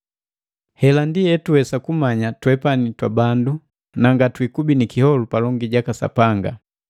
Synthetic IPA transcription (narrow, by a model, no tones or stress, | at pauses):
hɛlandijɛtuɛsakumaɲatwɛpanitwabandu | naŋɡatwikubinikihɔlupalɔŋɡiɟakasa̰paŋɡa